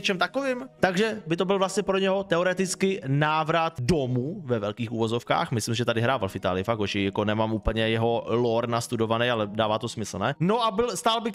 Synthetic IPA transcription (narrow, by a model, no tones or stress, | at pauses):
t͡ʃɛmt̪akovɪːmt̪aɡʒɛbɪt̪o̞bɪlvlast̪ɲɛpɾoɲɛɦo̞t̪ɛoɾɛt̪ɪt͡skɪnaːvɾat̪domuvɛvɛlkiːxuvozo̞fka̰ːxmɪslimsʒɛt̪adɪɦɾaːvalfɪt̪a̰ːlɪjɪfakɡoʃɪjakonɛmaːmuːpl̩ɲɛjɛɦo̞loɾnast̪udo̞vanɛjalɛdaːvaːt̪o̞smɪsl̩nɛno̞ʔabɪlst̪aːlbɪ